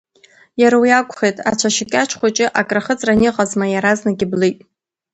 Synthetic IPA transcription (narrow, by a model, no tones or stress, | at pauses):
jaɾawjakʷʰʼχejtʼa̰t͡ʃʷʰaʃɪkʲʼat͡ʃʰχʷat͡ʃʼɪʔakʼraχət͡sʼranɪqʼazmajaɾaznaɡʲɪblɨjtʼ